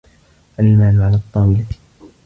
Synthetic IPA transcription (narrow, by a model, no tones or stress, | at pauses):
ʔalmaːlʊʕalaːt̪ˤːɑːwɪla